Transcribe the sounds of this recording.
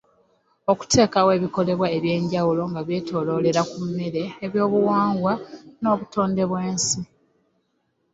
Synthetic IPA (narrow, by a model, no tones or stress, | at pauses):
o̞ku̥tʰe̞ːkawe̞ːβiko̞le̞βwaeβje̞ːɲɟawulo̞ŋɡaβje̞ːtʰo̞ːlo̞ːle̞ɾakumːe̞ɾe̞ːβjo̞ːβuwaːŋɡwano̞ːβuto̞ːnde̞βwe̞ːnsi